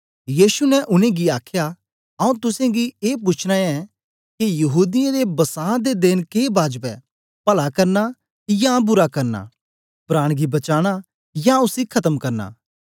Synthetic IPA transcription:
jiːsunɛʔʊnẽɡiaːkʰja | ɐũt̪ʊsẽɡieːp̬ʊːt͡ʃʰɽ̃aɛ̃ | kijɐɦuːd̪ɪjãɾebɐsãːd̪ed̪ɪnkeːbaːd͡ʒpɛ | pɐlakɐɾna | jabʊɾakɐɾna̰ | pɾaːɽ̃ɡibɐt͡ʃaːɽ̃a | jaʊsikʰɐt̪əmkɐɾna̰ː

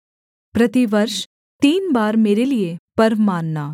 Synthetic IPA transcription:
pɾɐt̪iʋɐɾʃ | t̪iːnbaːɾmeːɾeliepɐɾʋmaːnːaː

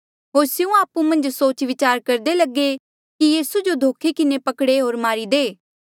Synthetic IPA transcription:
ɦoːɾsɪũaːpumɐ̃nd͡ʒsoːt͡ʃʋɪt͡ʃaːɾkɐɾd̪elɐɡe | kijiːsud͡ʒod̪ʱoːkʰikɪnepɐkɽeɦoːɾmaːɾid̪eː

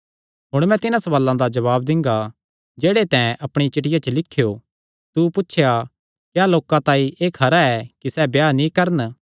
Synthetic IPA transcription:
ɦʊɽ̃mɛ̃t̪ɪnãsɐʋaːlːãd̪ad͡ʒɐβaːb̚d̪ɪ̃ŋɡa | d͡ʒeːɽet̪ɛ̃ːɛ̃ʔɐpɽ̃it͡ʃɪʈɪjat͡ʃəlɪkʰːijo | t̪upʊtːʃʰja | kjaːloːkãt̪ãːĩʔeːkʰɐɾaɛkisɛbjaːnĩkɐɾən

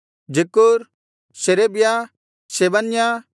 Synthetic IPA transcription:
d͡ʒekuɾ | sɛɾɛbja | sɛbanja

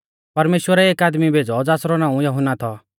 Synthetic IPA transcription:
pɐɾmeːʃwəɾɛeːkaːd̪mibʱeːd͡zɔd͡zaːsɾɔnãːũjɐɦʊnːat̪ʰɔ

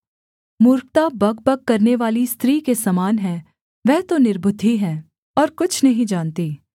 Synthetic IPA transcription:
muːɾk̚t̪abɐɡ̚bɐk̚ːɐɾneʋaːlist̪ɾiːkesɐmaːnɦɛ̃ː | ʋɛɦt̪onɪɾbʊd̪ʱːiɦɛ̃ː | ɔːɾkʊt͡ʃʰnɐɦĩd͡ʒaːnt̪iː

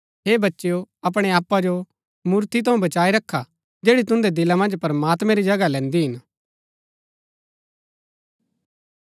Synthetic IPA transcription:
ɦeːbɐtːʃejoɐp̬ɽ̃eaːpːad͡ʒo | muːɾt̪it̪ʰɐũbɐt͡ʃaːiɾɐkʰːa | d͡ʒeːɽit̪̬ʊ̃nd̪ed̪ɪlamɐ̃nd͡ʒpɾɐmaːt̪mɛ̃ɾid͡ʒɐɡalɛ̃ːnd̪iɦɪn

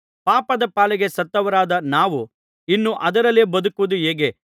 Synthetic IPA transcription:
paːpɐd̪ɐpaːlɛɡesɐt̪ːɐʋɐɾaːd̪ɐnaːʋu | inːuʔɐd̪ɐɾɐleːbɐd̪ukuʋud̪ueːɡe

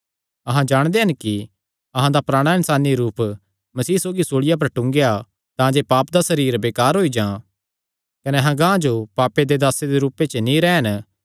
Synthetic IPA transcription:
ɐɦãd͡ʒaːɽ̃d̪eɦɐnki | ɐɦãd̪apɾaːɽ̃aɪnsaːniɾuːp | mɐsiːsoːɡisoːɽɪjap̬ɐɾʈʊ̃ŋɡeja | t̪ãːd͡ʒepaːpd̪asɐɾiːɾbeːkaːɾɦoːid͡ʒãː | kɐnɛɦãɡãːd͡ʒopaːped̪ed̪aːsed̪eɾuːpet͡ʃnĩɾɛːɦɐn

